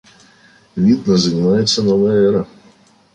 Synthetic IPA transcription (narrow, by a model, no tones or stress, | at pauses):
vʲid̪nəzənʲɪmajɪt̪sːənovəjəɛɾə